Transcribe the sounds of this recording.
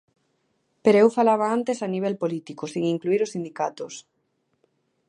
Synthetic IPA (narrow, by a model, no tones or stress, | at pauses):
peɾoewfalaβ̞aant̪esaniβ̞ɛlpolit̪ikosiŋiŋkluiɾosind̪ikat̪os